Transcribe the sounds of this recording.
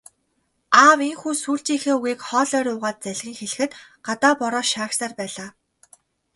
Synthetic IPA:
aːweŋxuːsuːɬt͡ɕiːŋxeːuɣiːkχɔːɮœːɾʊːʁaːt̪̚t͡sæɮɣʲiːŋxeɮɘ̆xɘ̆t̪ɢ̥at̪aːpɔɾɔːʃaːksaːrpæːɮaː

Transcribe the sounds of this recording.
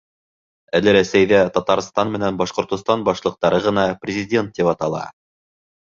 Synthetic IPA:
ælɘɾæsæjðæt̪ɑt̪ɑɾst̪ɑnmɘ̆nænbɑʃqŏɾt̪ŏst̪ɑnbɑʃlˠɤ̆q̚t̪ɑɾɤʁɤ̆nɑprʲɪzʲɪdʲe̞nt̪̚ːipɑt̪ɑlˠɑ̰

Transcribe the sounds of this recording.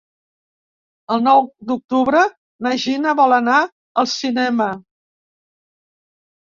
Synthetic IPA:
əlˠnɔwd̪uk̚t̪uβɾə | naʒinəβɔləna | əlˠsinɛmə

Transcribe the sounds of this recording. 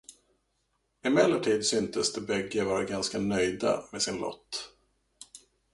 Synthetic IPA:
ɪmɛlːəʈʰiːd̪sʏnt̪əsd̪ɛbɛɡːəvɑːɾaɡanskanœjd̪a̰mesɪnlʔɔ̰t̪ː

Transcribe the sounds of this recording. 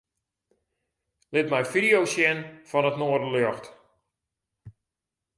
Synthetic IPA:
lɪtmɛjfidijowsjɛnfɔnətnoərdəløxt

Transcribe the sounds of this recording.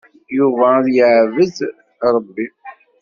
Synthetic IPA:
juvæðjəʕvəz | ɾˤəbːi

